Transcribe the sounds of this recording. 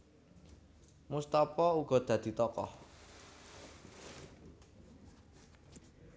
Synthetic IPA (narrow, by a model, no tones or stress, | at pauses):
must̪apɔuɡ̥ɔ̤d̪̥ä̤d̪̥i̤t̪ɔkɔ̰h